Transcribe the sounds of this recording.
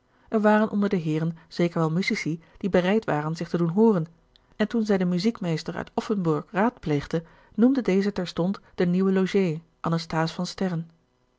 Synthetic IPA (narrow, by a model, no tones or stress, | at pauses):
ʔɛɹʋaːrənʔɔndəɹdəɦɪːrənz̥ejkəɹʋɛlˠmyzisid̥ibərɛjtʋaːrənzɪχtədunɦoːrən | ɛntunzɛjdəmyzikmejstəɹœ̰ɥtɔfənbʊɹkraːtplejχdə | numdədejzətɛɹstɔntd̥əniwəloʒej | ʔɑnəstaːsfɑnstɛɹən